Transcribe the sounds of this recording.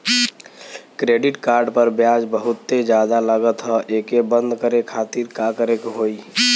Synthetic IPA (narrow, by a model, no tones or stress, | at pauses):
kɾeɖiʈkaɾɖpəɾbjad͡ʒbəɦut̪ːed͡ʒjad̪alaɡət̪ɦɔʔekebənd̪ʱkəɾekʰat̪iɾkakəɾekɦoi